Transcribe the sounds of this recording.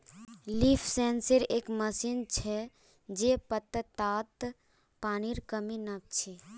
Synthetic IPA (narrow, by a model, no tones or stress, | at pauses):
lipʰsɛnsəɾeːkməsint͡ʃʰɛ | d͡ʒepət̪ːət̪aːt̪ | paːniɾkəminəb̚t͡ʃʰi